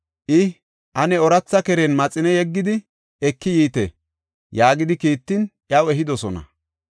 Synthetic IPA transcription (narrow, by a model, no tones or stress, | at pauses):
ʔɪ | ʔɐnɛɔɾɐt͡sːɐkɛɾenmɐt͡sʼɪnɛjɛɡːɪd̪ɪ | ɛkːɪjiːt̪ɛ | jaːɡɪd̪ɪkiːt̪ːɪnʔjɐwɛɦɪd̪ɔsɔnɐ̰